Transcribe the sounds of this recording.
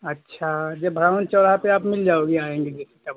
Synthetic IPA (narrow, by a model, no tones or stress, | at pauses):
ɐtːʃʰad͡ʒebʱɾaʋənt͡ʃɔɽ̤apeaːpmɪld͡ʒaːoɡiaːẽːŋɡed͡ʒɛːset̪ɐb